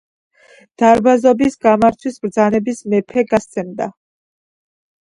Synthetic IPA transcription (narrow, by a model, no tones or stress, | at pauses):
d̪̥aɾbazɔbisɡamaɾt̪ʰwisbɾd̪zanɛbismɛpʰɛɡast̪sʰɛmd̪a